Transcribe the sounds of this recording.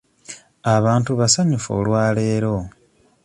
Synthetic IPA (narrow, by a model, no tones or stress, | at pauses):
aβaːntuβasaɲufo̰ːlwaːleːɾo̞